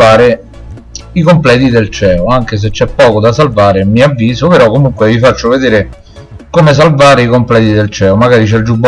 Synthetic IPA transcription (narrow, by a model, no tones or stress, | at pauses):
aːɾe | ikomplɛːt̪id̪elt͡ʃɛːoaŋk̟es̬et͡ʃːɛpːɔːkod̪asalvaːɾemiavːiːzopeɾɔkːomuŋkwevifat͡ʃːoved̪eːɾe | komes̬alvaːɾeikomplɛːd̪id̪elt͡ʃɛːomaɡaːɾit͡ʃɛd͡ʒubː